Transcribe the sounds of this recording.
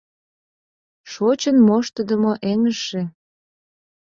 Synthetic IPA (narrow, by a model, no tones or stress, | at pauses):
ʃot͡ɕənmoʃt̪əd̪əmoʔeŋəʃe